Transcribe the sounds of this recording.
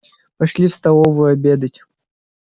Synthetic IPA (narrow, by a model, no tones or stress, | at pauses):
pɐʂlʲifst̪ɐlˠovʊjʊɐbʲed̪ətʲ